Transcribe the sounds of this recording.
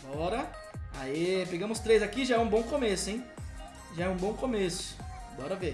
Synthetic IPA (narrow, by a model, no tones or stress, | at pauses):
bɔɾɐ | aipeɡɐ̃mʊst̪ɾejzakiʒaɛũbõw̃komesʊẽj̃ | ʒaɛũbõkomesʊ̥bɔɾɐve